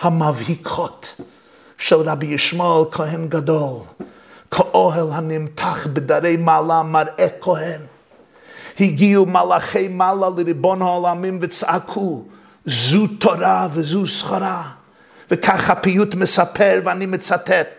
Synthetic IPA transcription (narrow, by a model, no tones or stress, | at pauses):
hamavhikʰɔt | ʃɛlˠɾabijɪʃmɔɪlˠkʰɔhɛnɡadɔlˠ | kʰaʔɔɦɛlˠhanɪmtʰaχbɪdaɾeɪmalˠamaɾɛkʰɔhɛn | hiɡiumalˠaχeɪmaːlˠalˠɪɾɪbɔnhaɔlˠamɪmvɪt͡sakʰu | zuːtʰɔɾavɪzuːsχaɾa | vɪkʰaχapijutmɪsapʰɛɾvɪanimɪt͡satɛt